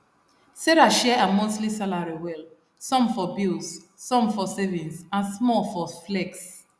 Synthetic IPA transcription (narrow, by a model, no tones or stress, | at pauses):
seɾaʃɛamoslisalaɹiwɛl | sɔ̃mfɔbilsː | ɔ̃mfɔsɛvĩnsãnsmɔfɔflɛks